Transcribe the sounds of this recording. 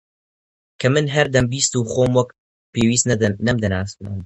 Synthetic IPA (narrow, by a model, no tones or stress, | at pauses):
kʰɐmɨnɦɐɾd̪ɐmbiːst̪uːxoːmwɐk̚ | peːwiːst̪nɐmd̪ɐnaːst̪nɨ̰m